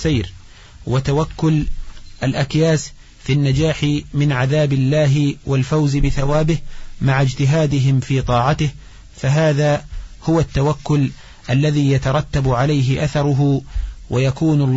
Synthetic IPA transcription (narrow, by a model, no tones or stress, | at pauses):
sajɾ | wat̪awakːʊlʔalʔakjaːs | finːad͡ʒaːħɪmɪnʕaðaːbɪlːaːɦɪwalfawzɪbɪθawaːbɪhmaʕad͡ʒt̪ɪɦaːd̪ɪɦɪmfiːt̪ˤɑːʕat̪ɪh | faɦaːðaːhʊwat̪ːawakːʊl | ʔalːaðiːjat̪ɑɾˤɑt̪ːabʕalajɦɪʔaθɑɾˤʊɦʊwʔajakuːnʊlː